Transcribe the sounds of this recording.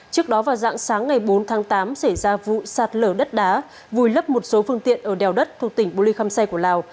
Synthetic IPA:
t͡ɕɨ˦˥ək̚ɗɔ˨˦vaː˨˩wza̰ː˧˥ŋsaː˨˦ŋːa˨˩jɓo˨˦nt̪ʰaː˨˦ŋt̪aː˨˦msa˧˩jzaː˧vṵ˧˨saː˨˩t̚ləː˧˩ɗə˦˥t̚ɗaː˨˦ | vu˨˩jlə˦˥p̚mo˨˩t̚so˨˦fɨ˧əŋt̪ḭ˧˨ənʔəː˧˩ɗɛ˨˩wɗə˦˥t̚t̪ʰu˧˩ək̚t̪ï˧˩ŋ̟ɓo˧li˧xaː˧msa˧jku˧˩əlaː˨˩w

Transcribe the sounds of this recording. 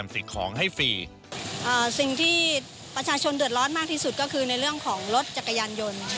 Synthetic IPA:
msi˨˩kʰɔ̰ː˩˦ŋɦa˥˩jfiː˧ | ʔaː˨˩si˨˩ŋt̪ʰiː˥˩ | pɾa˧t͡ɕʰaː˧t͡ɕʰo˧ndɯ˨˩ət̪̚ɾɔː˦˥nmaː˥˩k̪̚ʰiː˥˩su˨˩kɔː˥˩kʰɯː˧na˧jɾɯ˥˩əŋkʰɔː˩˦ŋɾo˦˥t̪̚t͡ɕa˨˩kːa˧jaː˧njo˧n

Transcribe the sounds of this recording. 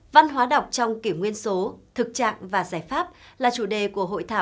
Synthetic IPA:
va˧nɦwaː˨˦ɗə˨˩wk͡p̚t͡ɕɔ˧wŋ͡mki˧˩əwŋwi˧ənso˨˦t̪ʰɨ˨˩k̚t͡ɕa̰ː˧˨ŋvaː˨˩zaː˧˩jfaː˦˥p̚laː˨˩t͡ɕu˧˩ɗe˨˩ku˧˩əɦo̰˧˨jt̪ʰaː˧˩w

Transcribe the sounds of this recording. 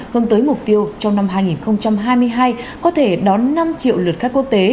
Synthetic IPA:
hɨ˨˧ənt̪əː˨˦jmʊ˨˩k͡p̚t̪i˧əwt͡ɕɔ˧wŋ͡mna˧mɦaː˧jŋi˨˩nxə˧wŋ͡mt͡ɕa˧mɦaː˧jmɨ˧əjɦaː˧jkɔ˨˦t̪ʰe˧˩ɗɔ˨˦nːa˧mt͡ɕḭ˧˨wlɨ˨˩t̚xaː˦˥kːu˦˥ək̚t̪e˨˦

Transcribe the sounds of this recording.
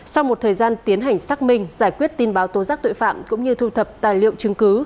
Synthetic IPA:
sa˧wmo˨˩t̚t̪ʰəː˨˩jzaː˧nt̪i˨˦ənɦa˨˩jŋ̟saː˦˥k̚mï˧ŋ̟zaː˧˩jkwi˦˥ət̚t̪i˧nɓaː˨˦wt̪o˨˦zaː˦˥k̚t̪o̰˧˨jfa̰ː˧˨mkʊ̰˧˥ŋ͡mɲɨ˧t̪ʰu˧t̪ʰə˨˩p̚t̪aː˨˩jlḭ˧˨əwt͡ɕɨ˨˦ŋkɨ˨˦

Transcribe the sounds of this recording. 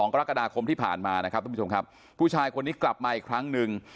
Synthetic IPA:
ɔː˩˦ŋka˧ɾa˦˥ka˧daː˧kʰo˧mt̪ʰiː˥˩pʰa̰ː˨˩nmaː˧na˦˥kʰa˦˥t̪ːʰo˧mkʰa˦˥p̚ʰːuː˥˩t͡ɕʰaː˧jkʰo˧nːiː˦˥kla˨˩p̚maː˧ʔi˨˩kʰɾa˦˥ŋnɯ˨ŋ

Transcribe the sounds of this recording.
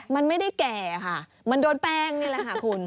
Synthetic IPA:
ma˧nma˥˩jda˥˩jkɛː˨˩˧kʰa˥˩ | ma˧ndoː˧npɛː˥˩ŋnɯ˧˥˩lɛ˧˩kʰa˧˩kʰu˧n

